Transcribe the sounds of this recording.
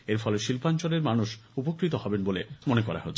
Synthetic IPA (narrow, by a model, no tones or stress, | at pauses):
eɾfʰɔleʃilpant͡ɕoleɾmanuʃupokɾit̪ohɔbenbolemonekɔɾa̰ɦo̰t̪ːʰ